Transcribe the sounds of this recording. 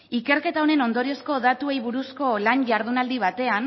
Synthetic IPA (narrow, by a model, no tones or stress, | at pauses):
ike̞ɾke̞t̪aone̞no̞nd̪o̞ɾio̞sko̞ðat̪ue̞jβuɾusko̞lanʝaɾð̞unald̪iβ̞at̪e̞an